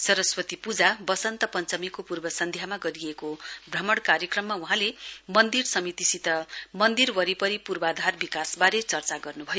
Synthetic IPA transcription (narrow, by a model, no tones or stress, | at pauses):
sʌɾʌswʌt̪ipud͡zabʌsʌnt̪ʌpʌnt͡sʌmikopurbʌsʌnd̪ʱjamaɡʌɾijekobrʌmʌɽkaɾjekrʌmːauɦãlemʌnd̪irsʌmit̪isit̪ʌmʌnd̪irwʌɾipʌɾipurbad̪ʱarbikasbaɾet͡sʌrt͡saɡʌrnubʱʌjo